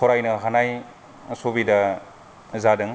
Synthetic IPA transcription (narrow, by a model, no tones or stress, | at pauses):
kʰɔɾajnɐɦanaj | sobidɐ | zadɯŋ